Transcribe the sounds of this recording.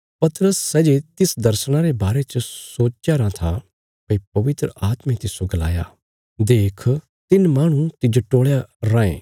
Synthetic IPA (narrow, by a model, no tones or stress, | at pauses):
pɐt̪ɾəsːɛːd͡ʒet̪ɪsd̪ɐɾsɽ̃aɾebaːɾet͡ʃəsoːt͡ʃjaɾãt̪ʰa | pɐipɐʋɪt̪ɾə̰ʔaːt̪mẽt̪ɪsoɡɐla̰ːja̰ː | d̪eːkʰ | t̪ɪnmaːɽ̃ũt̪ɪd͡ʒoʈoːɭjaɾãːḛ̃ː